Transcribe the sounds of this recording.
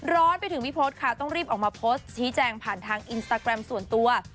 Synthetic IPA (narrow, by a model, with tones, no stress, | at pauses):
ɾɔː˦˥npa˧jt̪ʰɯ˩˦ŋwi˦˥pʰoː˦˥t̪̚kʰa˥˩t̪ɔ˥˩ŋɾiː˥˩p̚ʔɔː˨˩k̚maː˧pʰoː˦˥st̪̚t͡ɕʰiː˦˥t͡ɕɛː˧ŋpʰaː˨˩nt̪ʰaː˧ŋʔi˧nst̪aː˧kɾɛ˧msu˨˩ənt̪u˧ɐ